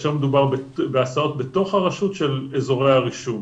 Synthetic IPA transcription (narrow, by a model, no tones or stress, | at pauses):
ʃeʁmed̪ubaʁbebeasao̞tbeto̞χhaʁaʃutʃe̞lezo̞ʁejhaʁiʃun